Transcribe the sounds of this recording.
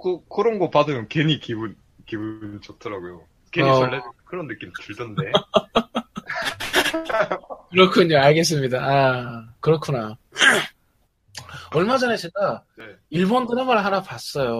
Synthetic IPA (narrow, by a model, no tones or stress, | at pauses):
kokʰoɾonɡopadojomkeɲikibun | kibunt͡ɕʌtʰʌɾaɡujo | keɲiʌːekɯɾʌnːɯk͈imtɯɭdʌnde̞ | kɯɾʌkʰuɲoaɭɡe̞s̬͈ɯmɲidaakɯɾʌkʰuna | ʌɭmad͡ʑʌnet͡ɕeɡane | iɭbondɯɦamaɭɦanapas͈ʌjo